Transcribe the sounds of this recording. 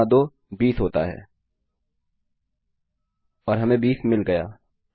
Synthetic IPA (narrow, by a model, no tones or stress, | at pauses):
ad̪oː | biːsɦoːt̪a̰ɦɛ̰ː | ɔːɾɦɐmẽbiːsmɪlɡɐja̰ː